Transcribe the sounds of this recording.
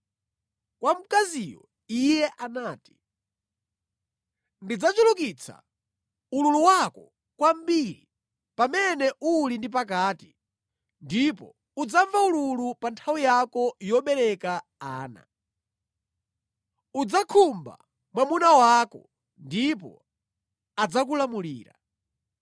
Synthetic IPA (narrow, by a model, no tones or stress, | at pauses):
kwam̩kazijɔ̰ | ijɛʔanaːti̥ | ndid͡zat͡ʃuluk̬it͡sʰa̰ | ululuwakɔ | kwam̩biɾi | pamɛnɛʔulindip̬ak̬aːti | ndipɔ̰ | ud͡zaɱvaululupantʰawijakɔjɔɓɛɾɛka | aːna̰ | ud͡zakʰumba̰ | mwamunawakɔ̰ | ndipɔ̰ | ad͡zak̬ulamuliːɾa̰